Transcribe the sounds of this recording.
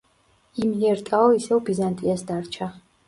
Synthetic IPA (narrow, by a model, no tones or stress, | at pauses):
imiɛɾt̪ʼaɔisɛvbizant̪ʼiasd̪aɾt͡ʃʰa